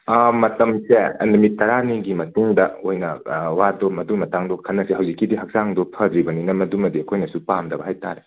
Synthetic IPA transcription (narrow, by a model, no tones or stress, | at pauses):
mɐtɐmseɐ̰ndɐmitːɐɾaniɡimɐtuŋdɐojnɐwadomɐduŋmːɐtaŋdɔkʰɐnːɐseɦɐwzikːidiɦɐk̚z̥aŋdopʰɐdɾibɐninɐmɐdumɐdiɐkʰojnɐsupamdɐbɐɦajta̰ɾe